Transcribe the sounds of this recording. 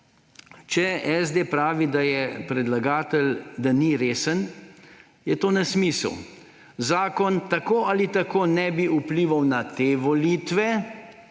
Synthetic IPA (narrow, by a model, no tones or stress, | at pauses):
t͡ʃɛɛzd̪epɾaːʋid̪ajɛpɾɛd̪laɡaːt̪əld̪aniɾeːsən | jɛt̪oːnasmisə̰w | zaːkɔnt̪akoːalit̪akoːnɛbiupliːʋawnat̪eːʋɔlit̪ʋɛ